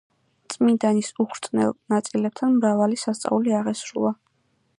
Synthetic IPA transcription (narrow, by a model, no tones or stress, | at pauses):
t̪sʼmind̪anisuχʰɾt̪sʼnɛ̰lˠnat̪sʼilɛp̚t̪ʰanmɾavalisast̪sʼa̰uliaʁɛsɾṵlˠa